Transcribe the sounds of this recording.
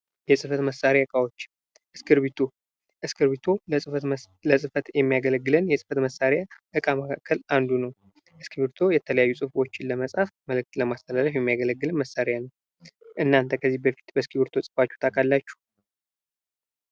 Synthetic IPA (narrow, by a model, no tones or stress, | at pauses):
jɛsʼɨfət̪məsːaɾjaɨkʼawot͡ʃː | ʔɨskʰɨɾbit̪ʰo | ʔɨskʰɨɾβit̪ʰo̞ | ləsʼɨfət̪jɛmːijaɡələɡːɨlənjɛsʼɨ̥fət̪məsːaɾejaʔɨkʼaməkʰakːəland̪unəw | ʔɨskʰiβɨɾt̪ʰo̞jɛt̪ʰələjajːusʼɨfo̞t͡ʃːɪnləməsʼhafməlɨk̚t̪ləmast̪ʰəlaləfjɛmːiaɡələɡːɨlɨnməsːaɾejanəw | ʔɨnːant̪ʰəkʰəzːihbəfi̥t̪bəskʰibɨɾt̪ʰo̞sʼɨ̥fat͡ʃːu̥t̪ʰakʼalːat͡ʃːu̥